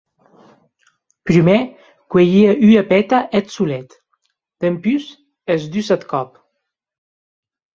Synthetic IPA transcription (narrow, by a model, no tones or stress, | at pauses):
pɾymɛ | kwejiəʔyapɛt̪aʔɛt̪sulɛt̪ | d̪̥əmpys | ezd̪ysat̪kɔp